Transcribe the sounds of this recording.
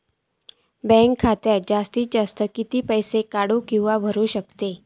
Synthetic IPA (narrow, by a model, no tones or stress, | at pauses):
bɛ̃ŋkʰːat̪jad͡ʑast̪iːd͡ʑast̪əkit̪iːpəjsekaɽukĩw̃ʋabʱəɾuːɕəkt̪e